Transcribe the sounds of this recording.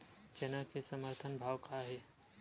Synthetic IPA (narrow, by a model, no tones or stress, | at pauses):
t͡ʃenakesəməɾt̪ʰənbʱaːwkaɦeː